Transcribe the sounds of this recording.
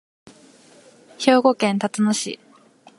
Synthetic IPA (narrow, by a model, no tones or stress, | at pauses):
ço̞ːɡo̞kẽ̞nt̪at̪anoɕḭ